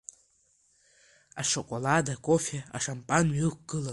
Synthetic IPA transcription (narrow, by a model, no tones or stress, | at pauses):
aʂokʷʼoladakʼofea̰ʂampʼanɥikʷʰʼɡ̥ɨla